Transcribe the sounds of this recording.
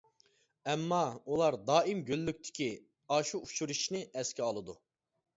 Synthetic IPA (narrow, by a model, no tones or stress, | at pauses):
ɛmːɑulˠɑɾd̪ɑːimɡʲølːykʲt̪ʰɪ̥kʲʰi | ɑːʃuuʃuɾuʃnɪɛskʲiɑlˠɨd̪u